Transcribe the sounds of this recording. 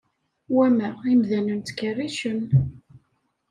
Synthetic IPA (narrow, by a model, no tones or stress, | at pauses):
wæmæimðænənt̪kːərːiʃən